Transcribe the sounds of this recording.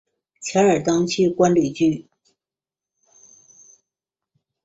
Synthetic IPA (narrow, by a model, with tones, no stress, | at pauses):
t͡ɕʰja˧˥ə˞˨˩t̪ɑ˥ŋt͡ɕʰi˥˩kwa˥nli˨˩t͡ɕy˥˩